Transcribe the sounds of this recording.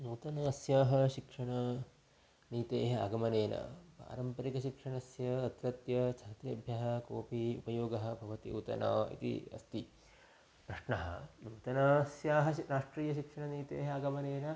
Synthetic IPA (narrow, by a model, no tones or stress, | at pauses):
nuːt̪ɐnɐɐsjaːɦɐʃikʂɐɳɐ | niːt̪eːɦɐɐ̰ɡɐmɐneːnɐ̰pa̰ːɾɐmpɐɾikɐʃikʂɐɳɐsjɐːt̪ɾɐt̪jɐt͡ʃʰɐt̪ɾɐbʱjɐɦɐkoːpiṵpɐjoːɡɐɦɐ̆bʱɐʋɐt̪ḭut̪ɐ̰na̰ːḭt̪ḭɐ̰st̪i | pɾɐʂɳɐɦɐ̰nuːt̪ɐnɐsjaːɦɐɾaːʂʈɾiːjɐʃikʂɐɳɐniːt̪ḛːɦɐɐɡɐmɐneːnɐ